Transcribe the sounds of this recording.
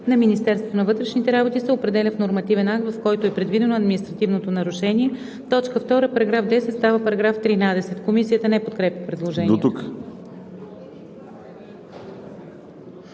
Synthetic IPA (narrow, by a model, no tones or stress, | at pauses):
nɐminist̪ɛɾsvot̪onɐvɤt̪ɾɛʃnit̪ɛɾabot̪isɛopɾɛd̪ɛlʲɐfnoɾmɐt̪ivɛnak̚t̪vɐfkɔjt̪oɛpɾɛd̪vid̪ɛnoɐd̪mʲinist̪ɾɐt̪ivnot̪onɐɾʊʃɛnʲiɛ | t̪ɔt͡ʃkəft̪ɔɾəpɐɾɐɡɾafd̪ɛsɛt̪st̪avəpɐɾɐɡɾaft̪ɾinad̪ɛsɛt̪komisijət̪ənɛpot̪kɾɛpʲəpɾɛd̪lˠoʒɛniɛt̪uto